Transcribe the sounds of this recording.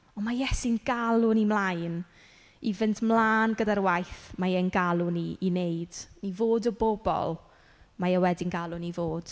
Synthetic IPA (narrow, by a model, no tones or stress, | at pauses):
ɔnmajɛsɪnɡalˠʊnimlˠajn | ivɨntʰmlˠaːnɡədarwajθmajɛnɡalˠʊniːnejd̥nivoːdɔbɔbɔ̰lˠ | majɛwɛdɪnɡalˠʊnivoːd̥